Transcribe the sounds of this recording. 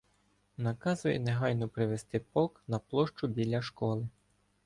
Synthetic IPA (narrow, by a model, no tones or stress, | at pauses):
nɐkɑzʊjɛ̰neɦɑjnɔpɾɪʋest̪ɪpɔknɐplˠɔʃt͡ʃʊbʲilʲɐʃkɔlˠɪ